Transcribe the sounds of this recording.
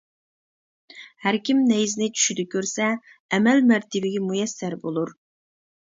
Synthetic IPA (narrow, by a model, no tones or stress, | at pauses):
hæɾkʲʰimnɛjzɪnɪt͡ʃʰy̥ʃyd̪ɪkʲʰøɾsɛː | mɛlmæɾt̪ʰɪbɪɡʲɛmujɛsːæɾbolˠuɾ